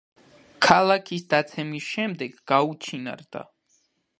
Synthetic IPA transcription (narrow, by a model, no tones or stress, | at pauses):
kʰalˠakʰisd̪at̪sʰɛmisʃɛmd̪ɛɡːaut͡ʃʰina̰ɾd̪a̰